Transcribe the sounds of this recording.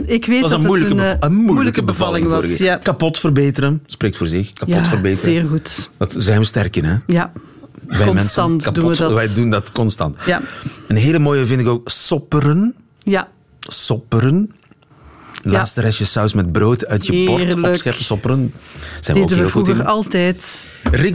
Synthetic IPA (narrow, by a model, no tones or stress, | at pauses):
ɪkʋeːɑsənmujləkənənmumjuləkəbəvɑlɪ̃ŋɑɾakɑpɔtfərbeːtəɾənspɾeːktfoːrzɪxkaɔtfərbeːtəeːrɣutdɑtzɛjnʋəstɛrkɪnɛja | ʋɛjmɛnssɑntkadunəʋɛjdundɑtkɔnstɑ̰ntjaənɦeːləmoːjəvɪndɪkoːksɔpəɾən | ja | sɔpəɾən | laːstəɾɛʃjəsɑwsmɛd̚broːtœɥtjəbɔrɔsxɛrpəsɔpəɾənz̥ɛ̰nʋdeodəəːlˠvuɣəɑlˠtɛjt | rɪ